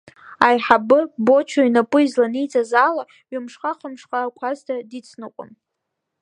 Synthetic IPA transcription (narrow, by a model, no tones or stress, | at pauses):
ajħabɨbo̞t͡ʃʷʰaɥnapʼɨizlanijt͡sʼazaːla | ɥɪmʂχaqʰəmʂχʼaːkʷʰaztʰadit͡sʰnɨqʷʼʊ̰n